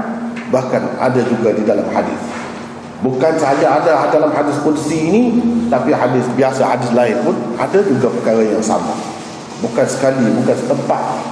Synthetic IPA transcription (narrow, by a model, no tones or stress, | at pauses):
bahkana̰dad͡ʒuɡadidalamhadɪ̰θ | bukansəɦad͡ʒaːdaadalamɦadɪspolisiːnit̪apiɦadɪsbiasahadɪslaɪnpʊnʔa̰dad͡ʒuɡapərkaɾajaŋsa̰ma̰ | bukansə̥kalibukansə̥t̪əmpat̪̚